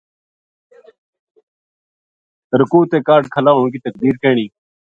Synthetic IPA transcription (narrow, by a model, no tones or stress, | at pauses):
t̪əɾəkuːt̪eːkaːɾɖkʰəlaːɦoːkiːt̪əkd̪iːɾkeːɳ̃iː